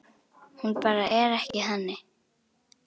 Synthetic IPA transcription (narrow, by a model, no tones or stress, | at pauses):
hunpaɾaʔɛɾahjiɦanɛ